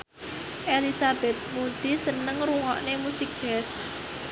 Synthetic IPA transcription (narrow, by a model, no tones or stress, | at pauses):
ʔelisabɛt̪̚mud̪̥i̤sənəŋɾuŋɔʔnemusɪk̚d̥ʒ̥ɛs